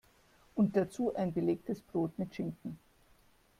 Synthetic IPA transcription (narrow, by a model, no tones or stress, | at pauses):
ʔʊnt̚d̥at͡suːʔaɪnbəleːk̚təsb̥ʁoːtmɪtʃɪŋkŋ̩